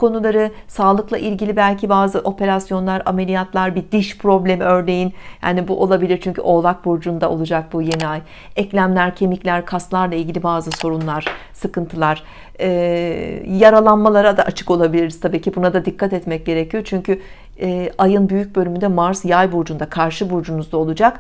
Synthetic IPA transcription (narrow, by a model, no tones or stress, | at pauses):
kʰo̞nulˠaɾɯsaːlˠɯklˠaʔilʲɟilʲibælʲcʰibaːzɯʔo̞pʰe̞ɾasjo̞nlˠaɾame̞lʲijat̪lˠaɾbid̪̥iʃpʰɾo̞blʲe̞miø̞ɾne̞jinha̰ːnibuʔo̞lˠabilʲiɾt͡ʃʰyɲcʰy̰ʔo̞ːlˠak̚buɾd͡ʒund̪aʔo̞̰lˠud͡ʒak̚buje̞niaj | ɛclʲæmlʲæɾcʰe̞miclʲæɾkʰaslˠaɾlˠailʲɟʲilʲibaːzɯso̞ɾunlˠaɾ̥sɯkɯnt̪ʰɯlˠaɾ̥ | ɛː | jaɾalˠanmalˠaɾad̪aʔat͡ʃʰɯ̥ko̞lˠabilʲiɾizt̪ʰabiːcibunad̪ad̪ikʰːat̪ɛt̪mɛc̚ɟe̞ɾecʰijo̞t͡ʃʰyɲcʰy | ɛːʔajɯnbyjyc̚ʲbølʲymynd̪ɛmaɾsjajbuɾd͡ʒund̪akʰaɾʃɯbuɾd͡ʒunuzd̪ao̞lˠud͡ʒak